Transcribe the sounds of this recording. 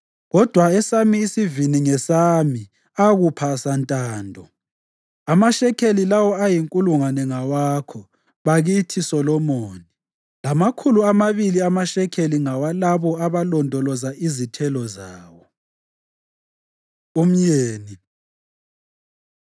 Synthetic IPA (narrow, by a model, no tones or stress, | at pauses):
ɣɔd̥ʱwaɛsamiːsiviniŋɛsami | aɣupʰasantʼaːndʱɔ | amaʃɛkʰelilawɔajiŋkʼuluŋwanɛŋawaːkʰɔ | βaɣitʰisɔlɔmɔːni | lamakʰuluamaβiliamaʃɛkʰeliŋawalaβɔaβalɔndʱɔlɔzaʔizitʰɛlɔzaːwɔ | um̩ɲeːni